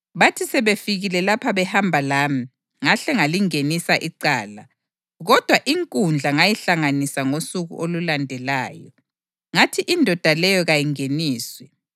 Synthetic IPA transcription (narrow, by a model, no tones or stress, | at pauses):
βatʰisɛβefiɣilɛlapʰaβɛhambʱalaːmi | ŋaɬɛŋaliŋenisaʔiǀaːla | ɣɔd̥ʱwaʔiŋkʼund͡ɮʱaŋajiɬaŋanisaŋosuɣṵʔolulandʱɛlaːjɔ̰ | ŋatʰiʔindʱɔd̥ʱalɛjɔɣajiŋeniːswɛ